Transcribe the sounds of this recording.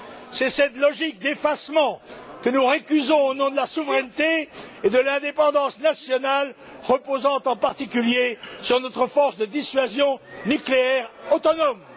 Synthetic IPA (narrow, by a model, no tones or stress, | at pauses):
sɛsɛt̪lɔʒik̚d̪efasmɑ̃kənuʁəkʲyzɔ̃onɔ̃d̪əlasuvʁɛnt̪eed̪əlɛ̃d̪epɑ̃d̪ɑ̃snasjɔnal | ʁəpozɑ̃t̪ɑ̃paʁt̪ikʲyljesyʁnɔt̪χəfɔʁsd̪əd̪isɥazjɔ̃nykleɛʁot̪ɔnɔm